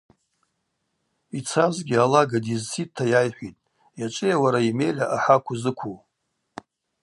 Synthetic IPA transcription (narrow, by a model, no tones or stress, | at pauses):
it͡sʰazɡʲɪalaɡadizsʰittʰːajajħʷitʼ | jat͡ʃʷʼɪjawaɾaime̞jlʲaʔaħakʷʰʊzɨkʷʰuw